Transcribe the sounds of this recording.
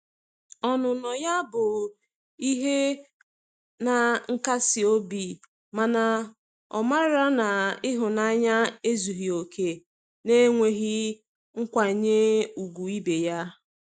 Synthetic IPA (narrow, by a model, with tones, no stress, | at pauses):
ɔ˨nʊ˨nɔ˨ja˦bʊ˨ | i˦ɦe˦ | na˨ŋ̩˦ka˦sɪ˨o˦bi˨ | ma˨na˨ | ɔ̰˨ma˦ɾa˦na˨ɪ˦ɦʊ˨na˦ɲa˦e˦zu˨ɦi˨o˨kʰe˨ | ne˦ŋʷe˨ɦi˦ | ŋ̩˦kʷa˨ɲe˦u˨ɡʷu˨i˦be˨ja˦